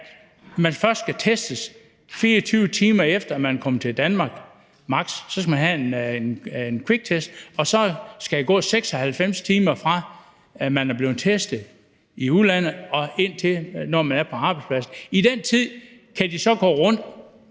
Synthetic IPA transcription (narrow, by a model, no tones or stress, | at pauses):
mænfɶɐsd̥sɡ̥æt͡sʰesd̥əs | fiːɐt͡sʰyːʊt͡sʰiːmɐefd̥ɐæmænkʰɒ̽mət͡sʰe̝ld̥ænmɑ̈ːɡ̥ | mɑ̈ɡ̥sːɒ̽sɡ̥æmænɦæenenenkʰweɡ̥̚t͡sʰesd̥̚ɒ̽sɒ̽sɡ̥ææɡ̥ɔ̰̽ːseɡ̥sɒ̽hælfem̰st͡sʰiːmɐfʁɑ̈ | mænæɐb̥le̝ːð̩ˠt͡sʰesd̥ð̩ˠ | iuðˠlæn̰ð̩ˠɒ̽e̝n̰t͡sʰe̝nɒmænæɐpʰɒ̽ɑ̈ːb̥ɑ̈ɪ̥spʰlæsn̩id̥ent͡sʰið̰ˠ | kʰæd̥isɒ̽ɡ̥ɔ̰ːʁɔn̰d̥